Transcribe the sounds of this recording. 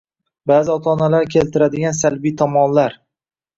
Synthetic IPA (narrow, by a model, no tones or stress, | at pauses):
baːzɪɒt̪ʰɒnalaɾkʲʰe̞lt̪ʰɪɾad̪ɪɡʲansalbijt̪ʰɒmɒnlaɾ